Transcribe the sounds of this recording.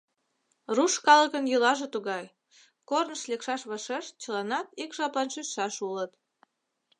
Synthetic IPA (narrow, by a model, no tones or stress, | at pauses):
ruʃkɑləkənjulɑʒet̪uɣɑj | kornəʃlekʃɑʃβɑʃeʃt͡ɕəlˠɑnɑt̪ikʒɑplˠɑnʃysʃɑʃulət̪